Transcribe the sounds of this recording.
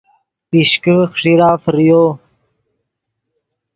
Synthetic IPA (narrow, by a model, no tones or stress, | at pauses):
piɕkəxʂiɾaːfɾijo